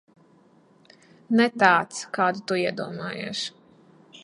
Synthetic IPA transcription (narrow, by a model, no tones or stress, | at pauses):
nɛt̪aːt̪skɑːd̪ut̪uiɛd̪uɔmɑːjḛːʃ